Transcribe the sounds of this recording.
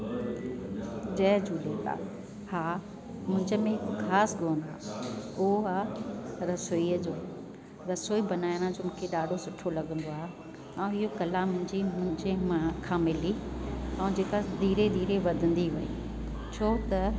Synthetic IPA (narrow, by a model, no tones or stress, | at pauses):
d͡ʑɐːd͡ʑuːlet̪a̰ː | haː | mʊ̃ɦɪ̃ɲd͡ʑəmẽɦɪkkʰaːsɡoːnaːʊɦoaːɾɐsoiːəd͡ʑoː | ɾɐsoːibɐnaːɪɽ̃ə̃d͡ʑoːmũːkʰeɗaːɖʱosʊʈʰolɐɠə̃nd̪oaːɦe | ɐ̃ũɪɦokɐlamʊ̃ɦɪ̃ɲd͡ʑimʊ̃ɦɪ̃ɲd͡ʑemakʰãːmɪliɐ̃ũd͡ʑeːkad̪ʱiːɾed̪ʱiːɾeʋɐd̪ʱə̃nd̪iʋɐḭ | t͡ɕʰoːt̪ɐ